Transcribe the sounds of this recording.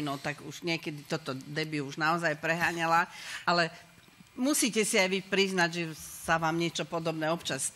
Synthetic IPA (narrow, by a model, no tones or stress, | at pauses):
nɔt̪aɡuʒ̥ɲɪɛkɛd̪it̪ɔt̪ɔd̪ɛbiuʒnaɔzajpɾɛɦaːɲalaʔalɛ | musiːcɛsiajʋipɾiznaɟʒɛsaʋaːmɲɪɛt͡ʃɔpɔd̪ɔbnɛːɔpt͡ʃas